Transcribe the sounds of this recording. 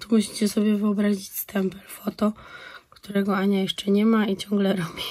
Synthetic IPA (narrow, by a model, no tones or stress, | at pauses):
t̪umuɕi̥t͡ɕɛsɔbʲjɛvɘɔbɾaʑit͡ɕst̪ʰɛmpɛlfɔt̪ɔkt̪uɾɛɡɔaɲajɛʂt͡ʂɛɲɛmait͡ɕɔŋɡlɛɾɔbʲi